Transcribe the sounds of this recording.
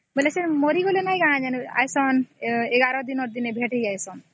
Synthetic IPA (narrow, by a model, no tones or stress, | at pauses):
melesɛnmɔɾiɡolenajɡaad͡ʒɛna̰jsɔneɡaɾɔd̪inɔɾd̪inebʱeʈejajsɔn